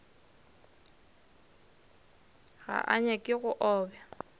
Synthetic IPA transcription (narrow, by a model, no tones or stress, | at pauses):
ɣa̰ʔaɲakʼɪɣʊʔɔːbja